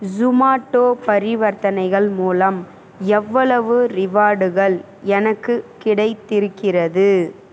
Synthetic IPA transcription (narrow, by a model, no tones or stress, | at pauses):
d͡ʒʊmaːʈːoːpɐɾɪʋɐɾt̪ɐnɐɪɣɐɭmuːlɐm | ɛʋːɐɭɐʋɯɾɪʋaːɽɯɣɐɭ | ɛnɐkːɯkɪɽɐɪt̪ːɪɾɯkːɪrɐðɯ